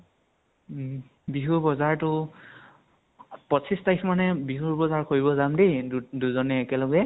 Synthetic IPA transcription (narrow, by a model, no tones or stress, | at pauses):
biɦuɹbɔzaɹtʊ | pɔsistajsmanɛbiɦuɹbɔzaɹkʰoɹibɔzamdiduzɔnɛːkɛlɔɡɛ